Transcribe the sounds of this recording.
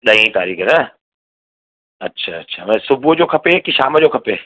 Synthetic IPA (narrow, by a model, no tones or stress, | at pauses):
ɗɐĩt̪aːɾiːkənə | ɐtːɕʰa̰ɐtːɕʰa̰ʋɛ̃sʊbʱud͡ʑoːkʰɐpekiʃaːməd͡ʑokʰɐpe